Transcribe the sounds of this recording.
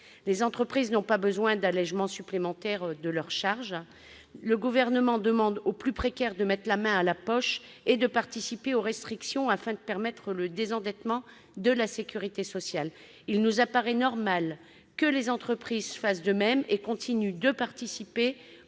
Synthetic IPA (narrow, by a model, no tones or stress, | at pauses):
lezɑ̃t̪χəpχiznɔ̃pabəzwɛ̃d̪alɛʒmɑ̃syplemɑ̃t̪ɛʁd̪əlœʁʃaʁʒ | ləɡuvɛʁnəmɑ̃d̪əmɑ̃d̪oplypχekʲɛʁd̪əmɛt̪χlamɛ̃alapɔʃed̪əpaʁt̪isipeoʁɛst̪χiksjɔ̃afɛ̃d̪əpɛʁmɛt̪χələd̪ezɑ̃d̪ɛt̪mɑ̃ | d̪əlasekʲyʁit̪esɔsjal | ilnuzapaʁɛnɔʁmal | kəlezɑ̃t̪χəpχizsəfasd̪əmɛmekɔ̃t̪ʰinyd̪əpaʁt̪isipe